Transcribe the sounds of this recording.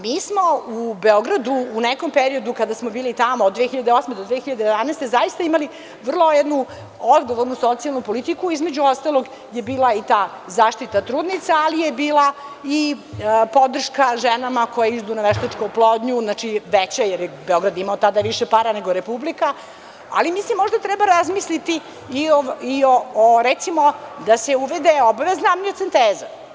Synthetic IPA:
miːsmo̞ubeoɡɾad̪uːneko̞mpeɾiod̪ukad̪asmobiːlit̪amood̪ːʋexiʎad̪eosmed̪od̪ʋexiʎad̪ejed̪aneːst̪ezajist̪aimali | ʋr̩lˠo̞jɛd̪nu | od̪ɡo̞ʋoɾnuso̞t̪sialnupo̞lit̪ikuizmed͡ʑuost̪alˠo̞ɡ | jebiːlˠait̪aː | zaːʃt̪it̪at̪ɾuːd̪nit̪saalijebiːlaipo̞d̪r̩ʃkaʒenamako̞jaizd̪unaʋeʃt̪aʈ͡ʂkouplˠod̪ɲuznat͡ʃiʋet͡ɕajeɾjebeo̞ɡɾad̪imaot̪ad̪aʋiʃepaːɾaneɡoɾepublika | a̰limislimːo̞ʐd̪at̪ɾɛbaɾazmislit̪iː | oiooɾɛt̪simod̪aseuʋed̪eobaʋeznamɲiot̪sint̪eːza

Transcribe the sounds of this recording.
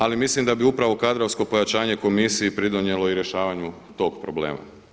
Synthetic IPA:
alimislimd̪abiupɾaʋo̞kad̪ɾoʋsko̞po̞jat͡ʃaːɲe̞ko̞misiipɾid̪oɲe̞lˠo̞iɾje̞ʃaːʋaɲu | t̪o̞ːɡpɾo̞blḛːma̰

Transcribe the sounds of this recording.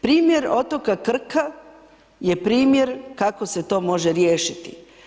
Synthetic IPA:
pɾiːmjeɾo̞t̪o̞kakr̩ka | je̞pɾiːmjeɾkakoset̪o̞ːmo̞ʒeɾjeːʃit̪ḭ

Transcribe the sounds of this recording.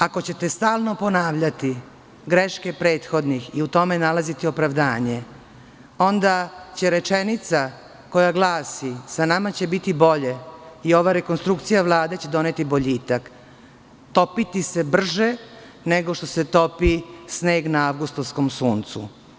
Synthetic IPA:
ako̞t͡ɕe̞t̪est̪aːlˠno̞po̞naːʋʎat̪i | ɡɾeʃkepɾe̞ːt̪xo̞d̪nixiut̪o̞me̞nalazit̪io̞pɾaʋd̪aːɲe̞ | o̞nd̪at͡ɕe̞ɾe̞t͡ʃe̞nit̪sa | ko̞jaɡlˠaːsisanamat͡ɕe̞bit̪ibo̞ʎe̞io̞ʋaɾe̞konst̪ɾukt̪sijaʋlˠaːd̪e̞t͡ɕe̞d̪o̞net̪ibo̞ʎiːt̪ak | t̪o̞pit̪ise̞br̩ʒe | ne̞ɡoʃt̪o̞se̞t̪o̞pisne̞ːɡnaaʋɡust̪ovsko̞msuːnt̪sṵ

